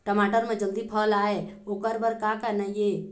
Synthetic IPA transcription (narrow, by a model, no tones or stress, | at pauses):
ʈəmaːʈəɾmẽd͡ʒəld̪ipʰəlaːe | oːkəɾbəɾkakənaije